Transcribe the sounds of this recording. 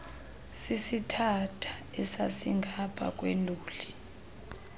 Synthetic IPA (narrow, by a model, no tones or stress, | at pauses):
sisitʰatʰḁɛsasiŋɡʱapʰʼa̰kʼweluːli